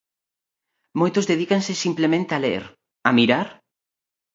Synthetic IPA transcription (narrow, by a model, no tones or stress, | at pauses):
mojt̪ʊzðeðikaŋsɪsimplemẽnt̪ealḛɾ | ɐmiɾaɾ